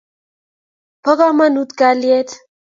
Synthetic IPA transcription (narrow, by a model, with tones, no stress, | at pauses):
pɔ˦kɔ˦ma˦nu˦t̪ka˦lje˦t̪